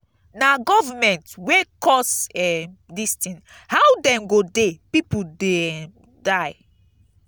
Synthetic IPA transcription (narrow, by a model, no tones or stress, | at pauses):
naɡɔvamɛ̃ntwekɔsɛdistĩn | hawdɛ̃mɡodepipude | daɪ